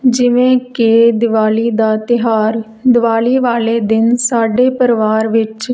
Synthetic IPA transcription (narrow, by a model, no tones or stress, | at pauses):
d͡ʒɪʋẽːked̪ɪʋaːliːd̪aːt̪ɪɦaːɾ | d̪ɪʋaːliːʋaːleːd̪ɪnsaːɖeːpəɾɪʋaːɾʋɪt͡ʃ